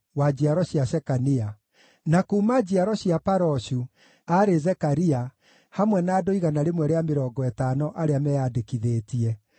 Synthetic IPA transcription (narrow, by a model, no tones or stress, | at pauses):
wad͡ʑiaɾɔɕijasɛkania | nakuːmad͡ʑiaɾɔɕiapaɾɔɕu | aɾezɛkaɾia | hamwɛnaːdoiɣanaɾemwɛɾeameɾɔːɡɔɛtaːnɔʔaɾeamɛjadekiðeːtiɛ